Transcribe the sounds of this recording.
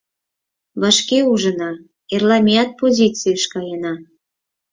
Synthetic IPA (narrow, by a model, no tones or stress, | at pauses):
βɑʃkeuʒənɑ | erlɑmʲiɑt̪̚pozʲit͡sɨjəʃkɑjenɑ